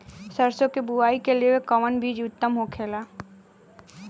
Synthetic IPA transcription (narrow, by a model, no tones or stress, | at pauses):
səɾsõkebʊaːikeliekəʋənbʱiːd͡ʒʊt̪ːəmɦokʰeːlaː